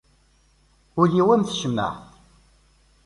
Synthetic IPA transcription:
uliwæmθʃəmːæ̰

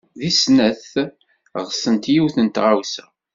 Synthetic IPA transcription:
ðisnæθ | ʁsənt̪jiwθənt̪ʁawsæ

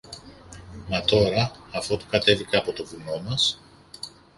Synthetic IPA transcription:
mɐt̪o̞ɾɐːfot̪u̥kɐt̪e̞vikɐpo̞t̪o̞vuno̞mɐs

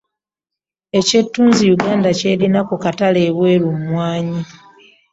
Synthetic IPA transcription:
e̞ce̞tːuːnzijuɡaːndace̞ːɾinakukatale̞ːβwe̞ːɾumwaːɲi

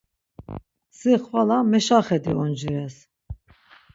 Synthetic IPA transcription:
siχvalamɛʃaχɛd̪iɔnd͡ʒuɾɛs

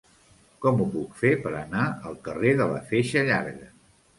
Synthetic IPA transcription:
kɔmupukfepəɾənaəlˠkəreðələ̰feʃəʎa̰ɾɣə

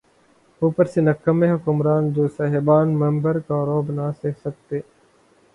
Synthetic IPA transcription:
uːpəɾsenɐkːəmːẽɦʊkʊmɾaːnd͡ʒoːsɐɦɪbaːnmɐ̃mbəɾkaːɾoːbnaseːksɐk̚t̪eː

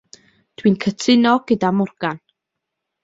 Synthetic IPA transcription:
d̥wiːnkʰətʰɪnɔɡ̥ədamʊrɡ̥an

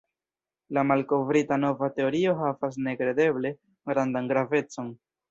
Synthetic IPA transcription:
lamalko̞vɾitano̞vate̞o̞ɾio̞ɦavas̬ne̞kɾe̞de̞ble̞ | ɡɾandanɡɾave̞t͡so̞n

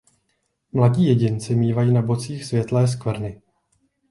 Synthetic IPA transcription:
mlaɟiːjɛɟɪnt͡sɪmiːvajiːnabo̞t͡siːxsvjɛt̪lɛːs̬kvr̩nɪ

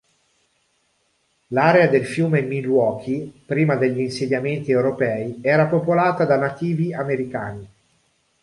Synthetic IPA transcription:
laːɾead̪elfjuːmemilwɔːk̟ʰipɾiːmad̪eʎːiːnsed̪jament̪iewɾopɛːiɛːɾapopolaːt̪ad̪anat̪iːviameɾikaːni

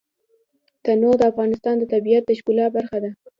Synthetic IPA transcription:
t̪anod̪əafɣɑnɪst̪ɑnd̪ət̪abijat̪̚d̪aʃkulɑbaɾxad̪a

